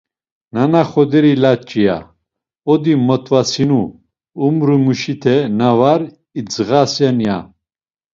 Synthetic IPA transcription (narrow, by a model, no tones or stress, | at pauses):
nanaχɔd̪ɛɾilat͡ʃʼija̰ | ɔd̪imɔt̪ʼvasinu | umɾumuʃit̪ʰɛnavaɾ | id͡zɣasanja̰